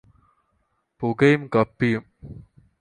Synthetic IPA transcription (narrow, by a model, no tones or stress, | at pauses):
pʊɡɐjmkɐpːijum